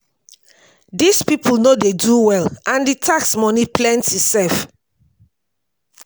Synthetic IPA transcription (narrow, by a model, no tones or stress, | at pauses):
dispipʰulnodeduwɛlãnditʰaksmɔniplɛ̃ntitsɛlf